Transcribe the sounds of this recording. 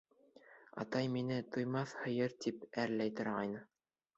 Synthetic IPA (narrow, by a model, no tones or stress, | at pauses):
ɑ̰t̪ɑjminɘt̪ŏjmɑθhɤ̆jɤɾt̪ipæɾlæjt̪ŏɾʁɑjnɤ